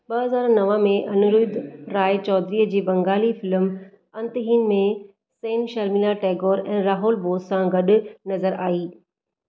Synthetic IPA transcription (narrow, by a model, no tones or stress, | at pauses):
ɓɐɦɐzaːɾnɐʋə̃mẽʔɐnʊɾuɪd̪ɾaːɪt͡ɕɔːd̪ɾiːəd͡ʑiːbɐ̃ŋɡaːlifɪləm | ɐ̃nt̪ɦiːnmẽ | seːnʃɐɾmilaʈeːɡoːɾɛ̃ːɾaːɦʊːlboːsãɡɐɗʊ̆nɐzəɾaːiː